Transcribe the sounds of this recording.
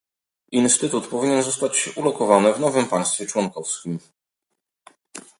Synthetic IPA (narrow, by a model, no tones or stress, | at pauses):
inst̪ɘt̪ut̪pɔvʲiɲɛnzɔst̪at͡ɕulɔkɔvanɘvnɔvɘmpaj̃st̪fʲjɛt͡ʂwɔnkɔfskʲim